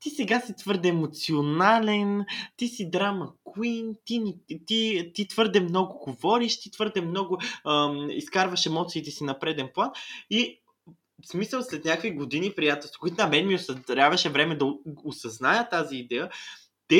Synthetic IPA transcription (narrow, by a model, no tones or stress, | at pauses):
t̪isɛɡasit̪vɤɾd̪ɛːmot̪sionalɛnt̪isid̪ɾamɐkwint̪init̪it̪it̪vɤɾd̪ɛmnɔɡʊɡovɔɾiʃt̪it̪vɤɾd̪ɛmnɔɡʊəiskaɾvɐʃɛmɔt̪siːt̪ɛsinɐpɾɛd̪ɛnplˠani | smisəlˠslɛt̪nʲjakviɡod̪inipɾijat̪ɛlˠst̪okʊit̪nɐmɛnmiosɐɾʲavɐʃɛvɾɛmɛd̪ɐosɐznajət̪aziːd̪ɛjə | t̪ɛ